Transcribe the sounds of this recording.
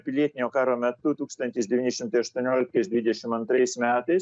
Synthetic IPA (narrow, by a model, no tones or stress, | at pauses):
pʲɪlʲiɛt̪ʲɪnʲoːkɑːɾoːmʲɛt̪ʊt̪uːkst̪ɐnʲt̪ʲɪsd̪ʲɛʋʲiːnʲɪʃʲɪmt̪ɐɪɐʃt̪uɔnʲoːlʲɪk̚t̪ɐɪsd̪ʋʲɪd̪ʲɛʃʲɪmɐnt̪ɾɐɪsmʲæːt̪ɐɪs